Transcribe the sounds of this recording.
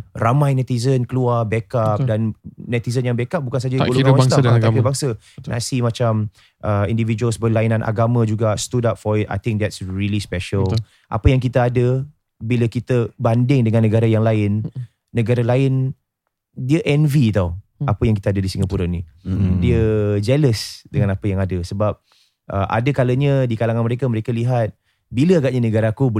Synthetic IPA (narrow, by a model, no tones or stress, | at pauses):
ramãjnɛt̪izənkəluarbɛkap̚dannɛt̪izənjaŋbɛkap̚bukans̬ad͡ʒaɡoluawast̪aakiəbaŋsə | nʔa̰simat͡ʃam | ʔəindivid͡ʒuəlsbəlainãnʔa̰ɡamãd͡ʒuɡast̪udap̚fɔɹɪt̚a̰jt̪ɪ̃ŋk̚d̪ɛtsɹilispɛʃəl | ʔa̰pəjaŋkit̪əadə | biləkit̪əbandɪŋdəŋanːəɡaɾajaŋlaɪnː | əɡaɾalaɪn | diəʔɛnvit̪awapəjaŋkit̪adədisiŋɡəpuɾanĩdiəd͡ʒɛləsdəŋanapəjaŋadəsəbap̚ | ʔəʔa̰dəkaləɲə̃dikalaŋanməɾekaməɾekaliɦat̪̚ | biləaɡaʔɲanəɡaɾakub